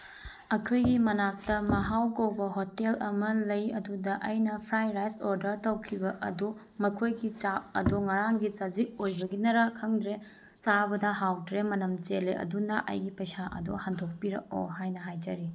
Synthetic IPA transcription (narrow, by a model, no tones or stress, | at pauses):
ɐkʰojɡimɐnak̚tɐmɐɦawɡɐwbɐɦotelɐmɐlɐjɐdudɐʔɐjnɐpʰɾajɾajsoɾdɐɾtɐwkʰibɐʔɐdu | mɐkʰojɡit͡ʃaɐ̰doŋɐɾaŋɡit͡ʃɐzik̚ojbɐɡinɐɾɐkʰɐŋdɾe | t͡ʃabɐdɐɦawdɾemɐnɐmt͡ʃelḛʔɐ̰dunɐʔɐ̰jɡipɐjsaʔɐ̰dohandʱok̚piɾɐ̰ko̰ɦajnɐɦajd͡ʒɐɾi